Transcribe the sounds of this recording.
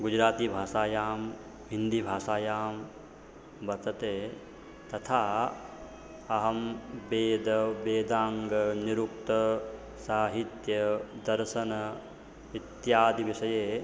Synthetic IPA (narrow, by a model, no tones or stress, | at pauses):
ɡud͡ʒɾaːt̪iːbʱaːʃaːjaːm | ɦind̪ibʱaːʃaːjaːm | bɐt̪ɐt̪eː | t̪ɐt̪ʰaː | ɐɦɐmbeːd̪ɐbeːd̪aːŋɡɐniɾuk̚t̪ɐ | saːɦit̪jɐd̪ɐɾʃɐnɐ | it̪jaːd̪iʋiʃɐjeː